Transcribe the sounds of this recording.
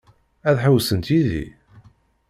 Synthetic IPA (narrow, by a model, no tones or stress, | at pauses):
æðħəwsənt̪iðḭ